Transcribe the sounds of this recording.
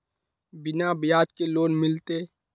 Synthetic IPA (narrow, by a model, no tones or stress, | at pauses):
bɪnabjaːt̪keloːnmɪlt̪eː